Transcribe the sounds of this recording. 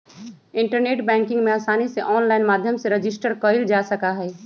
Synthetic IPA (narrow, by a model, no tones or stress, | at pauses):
ɪ̃ɳʈəɾneːʈbɛ̃ːŋkɪ̃ŋɡmẽaːsaːniseʔɔːnlaːɪnmaːd̪ʱjəmseɾɐd͡ʒɪsʈəɾkəɪld͡ʒaːsɐkaɦɛː